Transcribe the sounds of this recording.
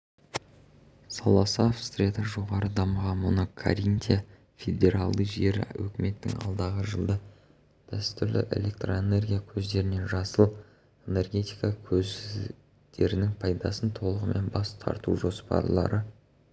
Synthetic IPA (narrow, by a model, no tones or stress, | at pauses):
sɑlˠɑsɑfst̪rʲed̪ɑʒo̞ʁɑɾəd̪ɑməʁɑnmʊnəkʰa̰ɾint̪ʲia | fʲe̞d̪ʲe̞ɾalˠd̪əjʒe̞ɾ̰wɵkʲɪme̞t̪ːɪŋɑ̰lˠd̪ɑʁəʒəlˠd̪ə | d̪̥æst̪ʏɾlɪ̰ʔe̞̰le̞k̚t̪roene̞rɡʲijakʲʰɵzd̪e̞ɾɪne̞nʒɑsəlˠ | e̞ne̞rɡʲe̞t̪ijkɑkʲʰɵz | d̪̥e̞ɾɪnɪŋpʰɑjd̪ɑsənt̪ʰo̞lˠəʁəmʔe̞̰nbɑst̪ʰɑ̰ɾt̪uʒo̞spɑ̰ɾlˠɑ̰ɾʔə